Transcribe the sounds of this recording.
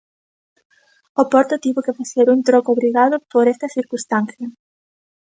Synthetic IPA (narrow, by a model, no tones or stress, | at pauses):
opɔɾt̪ot̪iβʊkefaseɾunt̪ɾokoβɾiɣaðʊpoɾest̪ɐsiɾkũst̪anθjɐ